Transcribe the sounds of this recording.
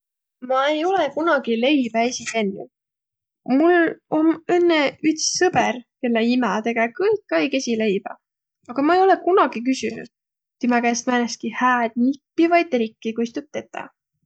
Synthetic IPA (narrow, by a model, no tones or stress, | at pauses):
mɑe̞jo̞lekunɑɡ̥ile̞jb̥æesʲit̪enːṵ | mulo̞menːeyt̪ssɤb̥erke̞lːeimæt̪e̞ɡ̥ɑkɤjkːɑjke̞sʲilejb̥ɑ̰ | ɑɡ̥ɑmɑejo̞lekunɑɡ̥ik̬ysynṵd̪̥ | t̪imækæst̪mæneskihæːd̪̥nipːivɑjd̪̚eɾikːikojst̪ut̚t̪ːe̞t̪ːˑɑ̰